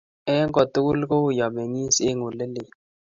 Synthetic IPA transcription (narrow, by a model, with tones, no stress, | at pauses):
ɛ˦ŋɡɔ˨tu˦ku˦lko˦˨ja˨me˨ŋi˦se˦ŋu˨lə˦lɪ˨